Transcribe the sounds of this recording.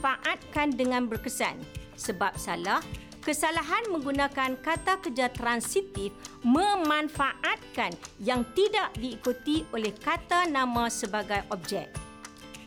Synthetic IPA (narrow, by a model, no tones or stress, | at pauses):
faʔat̪̚kandəŋãnbərkəsa̰n | səbap̚salah | kəsalaɦanmə̃ŋɡunãkankat̪akərd͡ʒat̪ɾansit̪ifmə̃mãnfaʔat̪̚kanjaŋt̪idaʔdiːkut̪iolɛhkat̪anãmãsəbaɡajʔɔp̚d͡ʒɛ̰k̚